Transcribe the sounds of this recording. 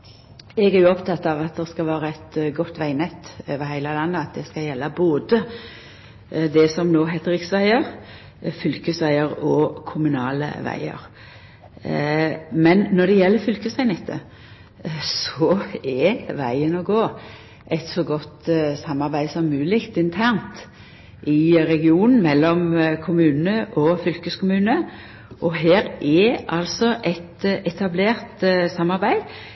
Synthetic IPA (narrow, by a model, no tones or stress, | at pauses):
ɛɡæɾjʊɔpt̪ʰɑt̪ːɑʋɑt̪̚d̪ɛskɑlʋæːɾəæɪt̪ɡɔt̪ːʋæɪnɛt̪ːøːʋəɾhæɪləlɑnːəɑt̪̚d̪ɛskɑjɛlːəboːd̪ə | d̪ɛsɔmnoːɦɛd̪əɾɪksʋæɪəɾ | fʏlkəsʋæɪəɾɔkʰʊmʉnɑːlə̰ʋæ̰ɪə̰ɾ | mɛnːɔɖ̪ɛjɛlːəɾfʏlkəsʋæɪnɛt̪ʰːə̰ | sɔɛʋæɪənɔɡoː | ʔɛɪt̪sɔɡɔt̪sɑmːɑʁbæɪsɔmːʉːlɪkt̪ɪnt̪ʰæʁnt̪ | ʔɪɾɛɡɪuːnn̩mɛlːɔmkʰʊmʉːnəʔɔfʏlkəskʊmʉːnə | ʔɔɦeːɾʔɛʔɑlsɔʔɛt̪ɛt̪ʰɑbleːʁt̪sɑmːɑɾbæɪ